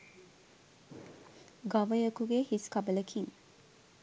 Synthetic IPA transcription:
ɡɐʋəjokuɡehiskɐbələkʰiŋ

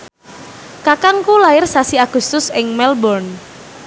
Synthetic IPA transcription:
kakaŋkulaɪrsasiaɡ̥ʊ̤st̪ʊsɪŋmɛlbɔrn

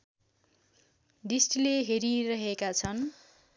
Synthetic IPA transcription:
d̪isʈleɦeɾiɾʌɦekat͡sʰʌn

